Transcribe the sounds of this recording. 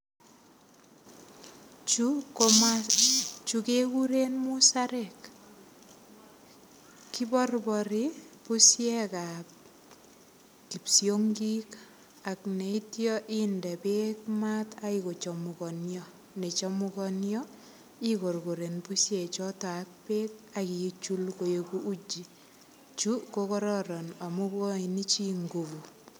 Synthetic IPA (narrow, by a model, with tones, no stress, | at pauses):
t͡ʃukoma | t͡ʃukekuɾenmusaɾek | ki˦bɔ˦rbɔɾipu˦sjɛkap̚ | ki˨psjoŋɡi˦k | a˨kne˨itjɔ˦ʔi˦ndɛ˨pekma˦ta˦iko˨t͡ʃɔ˨mu˨kɔ˨njɔ˦ | ne˨t͡ʃɔ˦mu˦kɔ˦njɔ˦ | i˦ko˨rko˨ɾe˨npu˦sjɛ˨t͡ʃɔ˦ta˨a˦k̚peː˦k̚aki˨˦t͡ʃu˦lko˨je˦ku˦ʔu˦d͡ʒi˨ | t͡ʃu˦ko˦kɔ˦ɾɔɾɔ˨na˨mu˦kɔ˦i˨ni˦t͡ʃi˦ŋɡo˨βu˨